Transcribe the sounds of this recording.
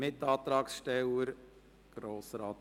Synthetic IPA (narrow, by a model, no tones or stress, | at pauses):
ɪt̪ɑːt̪ɾɑːksʃtɛləɾ | ɡ̥ɾoːsɾɑːt̪